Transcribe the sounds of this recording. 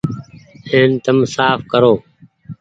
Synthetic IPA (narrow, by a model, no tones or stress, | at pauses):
heːnt̪əmsaːfkəɾoː